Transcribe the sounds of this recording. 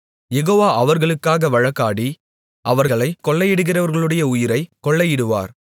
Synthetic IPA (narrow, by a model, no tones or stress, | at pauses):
jɛɣoːʋaːʔɐʋɐɾɣɐɭɯkːaːɣɐʋɐɻɐkːaːɽi | ʔɐʋɐɾɐɭɐɪkːɔɭːɐjɪɽɯɣɪrɐʋɐɾɣɐɭɯɽɐjɐʊjɪɾɐɪkːɔɭːɐjɪɽɯʋa̰ːɾ